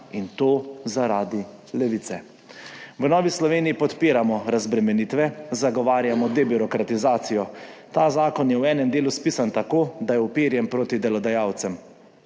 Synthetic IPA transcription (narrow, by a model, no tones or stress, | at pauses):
int̪oːzaɾaːd̪i | lɛʋiːt̪sɛ | ʋənɔːʋislɔʋeːnijipɔt̪piːɾamɔɾazbɾɛmɛniːt̪ʋɛzaɡɔʋaːɾjamɔd̪ɛbiɾɔkɾat̪izaːt̪sijɔt̪aːzaːkɔnjɛwɛːnɛmd̪eːluspiːsant̪akoːd̪ajɛwpeːɾjɛmpɾoːt̪id̪ɛlɔd̪ajaːwt̪sɛm